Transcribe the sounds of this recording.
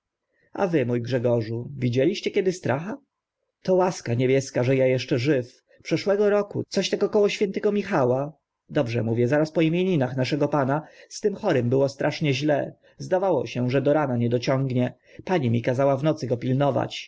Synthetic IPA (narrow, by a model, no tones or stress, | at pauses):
a̰vɘmujɡʐɛɡɔʐuvʲid͡ʑɛlʲiɕt͡ɕɛkʲɛd̪ɘst̪ɾaxa | t̪ɔwaskaɲebʲjɛskaʐɛjajɛʂt͡ʂɛʐɘf | pʂɛʂwɛɡɔɾɔkṵt̪sɔɕt̪ɛɡɔkɔwɔɕfʲjɛnt̪ɛɡɔmʲixawa | d̪ɔbʐɛ̰muvʲjɛzaɾaspɔimʲjeɲinaxnaʂɛɡɔpanast̪ɘmxɔɾɘmbɘwɔst̪ɾʔaʂɲɛʑlɛ | zd̪avawɔɕɛʐɛd̪ɔɾanaɲɛd̪ɔt͡ɕɔŋɡɲɛ | paɲimʲikazawavnɔt̪sɘɡɔpʲilnɔva̰t͡ɕ